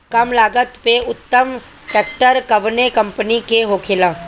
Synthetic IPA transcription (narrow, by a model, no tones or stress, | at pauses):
kɐmlaːɡət̪peʊt̪ːəm | ʈɛːk̚ʈəɾkɐʋnekɐ̃mpənikeɦoːkʰɪlãː